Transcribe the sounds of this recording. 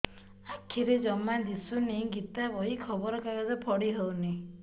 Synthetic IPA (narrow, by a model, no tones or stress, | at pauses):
akʰːiɾed͡ʒɔmad̪isuniɡit̪abɔɦikʰɔbɔɾɔkaɡɔd̪ɔpʰɔɽiɦəwni